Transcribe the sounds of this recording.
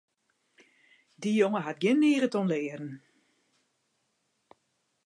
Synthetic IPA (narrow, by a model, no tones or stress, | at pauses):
dijoŋəɦat̚ɡɪnːiːrətɔnlɪːədn̩